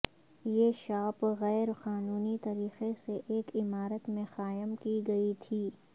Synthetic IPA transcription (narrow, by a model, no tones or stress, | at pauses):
jeːʃaːpɣɛːɾqaːnuːnit̪ɐɾiːqeseʔeːkɪmaːɾət̪mẽxaːjəmkiɡɐit̪ʰiː